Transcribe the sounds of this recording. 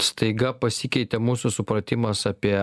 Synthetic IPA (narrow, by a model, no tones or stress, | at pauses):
st̪ɐɪɡɐpɐsʲɪkʲɛɪt̪ʲɛmuːsusʊpɾɐt̪ʲɪmɐsɐːpʲiɛ